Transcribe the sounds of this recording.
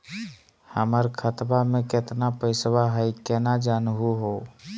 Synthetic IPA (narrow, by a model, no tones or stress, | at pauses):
həməɾkʰət̪bamẽkɪt̪napəɪsbaɦəjkɛːnad͡ʒaːnɦuɦoː